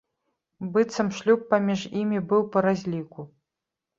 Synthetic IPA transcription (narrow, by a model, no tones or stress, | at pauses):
bɨt̪sɐmʂlʲupːamʲiʐimʲibɨwpɐɾazʲlʲiku